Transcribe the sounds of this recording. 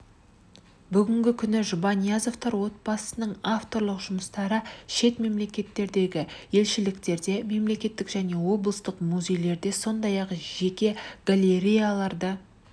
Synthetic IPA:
bʏɡʲɪŋɡʲɪkʲʰʏnɪʒʊbɑnijazo̞ft̪ɑɾwo̞t̪̚bɑsənəɴaft̪o̞ɾlˠəqʒʊməst̪ɑɾəʃe̞t̪me̞mle̞kʲe̞t̪ːe̞ɾd̪e̞ɡʲɪje̞lʃɪlɪkt̪e̞ɾd̪e̞me̞mle̞kʲe̞t̪ːɪkʒæne̞wo̞blˠəst̪əqmuzʲe̞jle̞ɾd̪e̞so̞nd̪ɑjɑqʒe̞kʲe̞ɡ̥alʲeɾijalˠɑɾd̪ə

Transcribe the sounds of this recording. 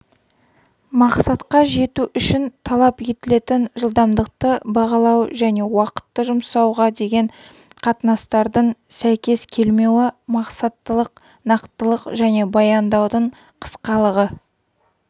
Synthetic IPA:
mɑqsɑt̪qɑʒe̞t̪uʔʏʃɪnt̪ʰɑlˠɑpje̞t̪ɪle̞t̪ɪnʒəlˠd̪ɑmd̪əq̚t̪əbɑʁɑlˠɑwʒæne̞wɑqə̥t̪ːəʒʊmsɑwʁɑd̪e̞ɡʲe̞ɴ | qʰɑt̪ənɑst̪ɑɾd̪əɴsæjkʲe̞skʲʰe̞lme̞wɪmɑqsɑt̪ːəlˠəq | nɑqt̪əlˠəqʒæne̞bɑjɑnd̪ɑwd̪əɴ | qʰə̥sqɑlˠəʁə

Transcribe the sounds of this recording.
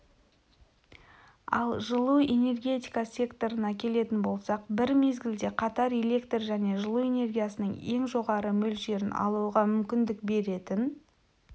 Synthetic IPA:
ɑ̰lˠʒəlˠue̞ne̞rɡʲe̞t̪ijkasʲe̞kt̪o̞ɾənɑkʲʰe̞le̞t̪ɪnbo̞lˠsɑqbɪɾme̞zɡʲɪld̪e̞qʰɑt̪ɑɾele̞kt̪rʒæne̞ʒəlˠue̞ne̞rɡʲijasənəɴe̞ŋʒo̞ʁɑɾəmɵlʒe̞ɾɪnɑ̰lˠuəʁɑmʏmkʲɪnd̪ɪk̚be̞ɾe̞t̪ɪn

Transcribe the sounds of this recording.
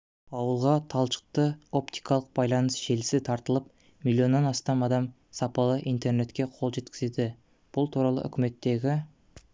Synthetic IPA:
ɑwəlˠʁɑt̪ʰɑlˠʃə̥q̚t̪əo̞p̚t̪i̥jkɑlˠəq̚b̥ɑjlˠɑnəsʒe̞lɪsɪt̪ʰɑɾt̪əlˠəp̚ | milʲːijo̞nːɑnɑst̪ɑmɑd̪ɑm | sɑpɑlˠəʔijnt̪e̞rne̞t̪kʲe̞qʰo̞lˠʒe̞t̪kʲɪ̥ze̞d̪ɪ | b̥ʊlˠt̪ʰuɾɑlˠə̰ʔʏ̰kʲɪme̞t̪ːe̞ɡʲɪ

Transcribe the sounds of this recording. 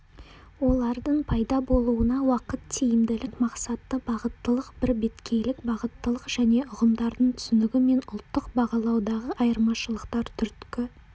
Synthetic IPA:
wo̞lˠɑɾd̪əɴpʰɑjd̪ɑbo̞lˠuənɑwɑqət̪ːʰejɪmd̪ɪlɪkmɑqsɑt̪ːəbɑʁət̪ːəlˠəqbɪɾbe̞t̪kʲʰe̞jlɪkbɑʁət̪ːəlˠəqʒ̥æne̞ʊʁəmd̪ɑɾd̪əɴt̪ʰʏ̥sɪnɪɡʲɪme̞nʊlˠt̪ːəqbɑʁɑlˠɑwd̪ɑʁəʔɑjəɾmɑʃəlˠəqt̪ɑɾt̪ʰʏɾt̪kʲɪ

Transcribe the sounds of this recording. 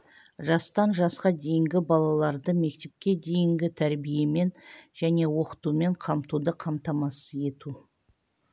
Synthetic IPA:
ʒɑst̪ɑnʒɑsqɑd̪e̞jɪŋɡʲɪbɑlˠɑlˠɑɾd̪əme̞k̚t̪e̞p̚kʲe̞d̪e̞jɪŋɡʲɪt̪ʰæɾbije̞me̞nʒæne̞wo̞qə̥t̪ume̞ɴqʰɑmt̪ud̪əqʰɑmt̪ɑmɑsəje̞t̪u

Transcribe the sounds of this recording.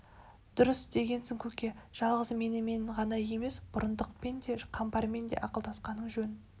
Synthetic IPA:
d̪̥ʊɾəsd̪e̞ɡʲe̞nsɪŋkʲʰɵkʲeʒ̥ɑlˠʁəzme̞nɪme̞nɪɴʁɑnɑje̞me̞sbʊɾənd̪əq̚pe̞nd̪e̞qʰɑmpɑɾme̞nd̪e̞̰ʔɑqəlˠd̪ɑsqɑnəɴʒɵn

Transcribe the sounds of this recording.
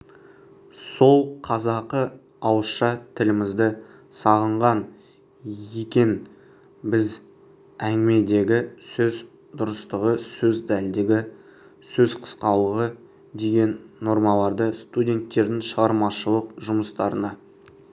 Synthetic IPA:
so̞lˠqʰɑzɑqə | ɑwəsʃɑt̪ʰɪlɪmɪzd̪ɪ | sɑʁəɴʁɑn | ekʲe̞n | bɪz | æŋɡʲɪme̞d̪e̞ɡʲɪsɵz | d̪ʊɾəst̪əʁəsɵzd̪æld̪eɡʲɪ | sɵzqʰə̥sqɑlˠəʁə | d̪e̞ɡʲe̞nːo̞ɾmɑlˠɑɾd̪əst̪udʲe̞nt̪ːe̞ɾd̪ɪŋʃəʁɑɾmɑʃəlˠəqʒʊməst̪ɑɾənɑ

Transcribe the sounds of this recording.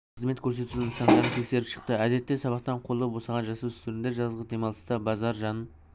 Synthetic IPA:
qəzme̞t̪kʲʰɵɾse̞t̪ud̪ɪnsɑnd̪ɑɾənt̪ʰe̞kse̞ɾɪpʃə̥qt̪əæd̪e̞t̪ːe̞sɑβɑq̚t̪ɑɴqʰo̞lˠːəbo̞sɑʁɑnʒɑsuʏ̥st̪eɾɪnd̪e̞ʒɑzʁəd̪e̞mɑlˠəst̪əbɑzɑɾʒɑn

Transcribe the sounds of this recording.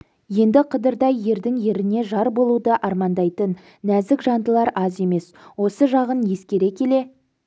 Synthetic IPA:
je̞nd̪ɪqʰəd̪əɾd̪ɑjːe̞ɾd̪ɪŋje̞ɾɪne̞ʒɑɾbo̞lˠud̪əʔɑɾmɑnd̪ɑjt̪ənː | æzɪkʒɑnd̪əlˠɑɾɑzje̞me̞swo̞səʒɑʁənje̞skʲe̞ɾe̞kʲʰe̞le̞

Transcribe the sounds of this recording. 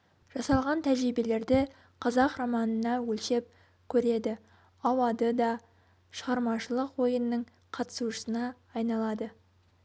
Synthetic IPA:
ʒ̥ɑsɑlˠʁɑnt̪ʰæʒɾibele̞ɾd̪ɪ | qʰɑzɑqromɑnənɑwɵlʃe̞p̚ | kʲʰɵɾe̞d̪ɪ | ɑwɑd̪əd̪ɑ | ʃəʁɑɾmɑʃəlˠəqwo̞jənːəɴ | qʰɑt̪ə̥suʃə̥sənɑː | jnɑlˠɑd̪ə

